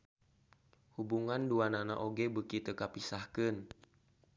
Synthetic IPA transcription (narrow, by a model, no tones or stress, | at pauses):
hubuŋanduanana̰ʔoɡebəkit̪əkapisahkən